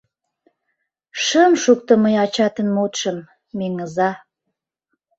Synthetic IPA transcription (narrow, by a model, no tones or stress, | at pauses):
ʃəmʃuk̚t̪ə̆məjɑt͡ɕɑt̪ənmot̪ʃə̆mː | eŋəzɑ